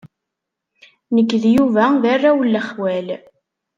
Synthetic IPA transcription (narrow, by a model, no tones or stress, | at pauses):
nəkːðjuvæðarːawəlːəχwæl